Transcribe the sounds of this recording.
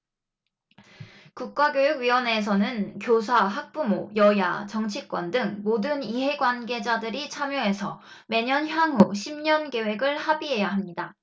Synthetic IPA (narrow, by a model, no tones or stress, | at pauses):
kuk̚k͈aɡjojuɡɥiwʌne̞s̬ʰʌnɯnkjosʰaɦak̚p͈umojʌia̰t͡ɕʌŋt͡ɕʰik͈wʌndɯŋmodɯniɦe̞ɡwanɡe̞d͡ʑadɯɾit͡ɕʰamjʌɦe̞sʰʌ | me̞ɲʌnçjaŋɦuɕʰimɲʌnke̞we̞ɡɯɭhabiɦe̞jaɦamɲida